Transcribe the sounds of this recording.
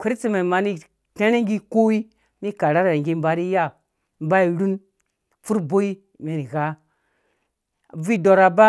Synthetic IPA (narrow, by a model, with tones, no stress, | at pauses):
kʷe˦ɾt͡si˦ma˨ma˨ni˦ | te˦ɾe˦ŋɡi˦ko˦wi˦ | mi˦ka˨ɾa˦ɾŋɡi˦m˦ba˨ɾi˦ja˦ | m˦ba˦i˨ɾu˦n | fu˦ɾbo˦i˦ | me˨ni˨ɣa˦ | vi˦˨do˨ɾa˨ba˦